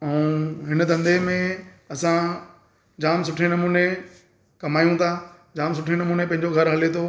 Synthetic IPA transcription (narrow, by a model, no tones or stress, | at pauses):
ɛːɦɪnə̆t̪ɐ̃nd̪ʱemẽ | ɐsã | d͡ʑaːms̬ʊʈʰenɐmuːne | kɐmaːjũt̪ʰa | d͡ʑaːms̬ʊʈʰenɐmuːnepɐ̃ɦɪ̃ɲd͡ʑoɡʱɐɾɦɐlet̪ʰo